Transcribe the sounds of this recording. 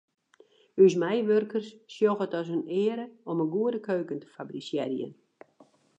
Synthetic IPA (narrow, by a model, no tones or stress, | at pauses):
ysmɛjʋørkərsːjoɣətɔsənɪːəɾəɔmənɡuədəkʰøːkəntə̥fabrisjɛrjə̰n